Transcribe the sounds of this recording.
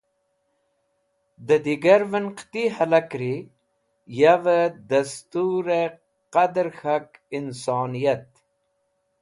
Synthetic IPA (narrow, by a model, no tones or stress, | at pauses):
d̪əd̪iɡaɾvənqt̪iɦalakɾi | javəd̪ɐst̪uɾe | qad̪ɾxakinsɑːnijat̪